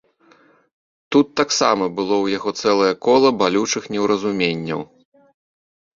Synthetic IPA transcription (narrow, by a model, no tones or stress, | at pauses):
t̪ut̪ːaksa̰mɐbɨlˠɔwjaɣɔt̪sɛlˠɐjɐkɔlˠɐbalʲut͡ʂɨxnʲɛwɾɐzumʲenʲːɐ̰w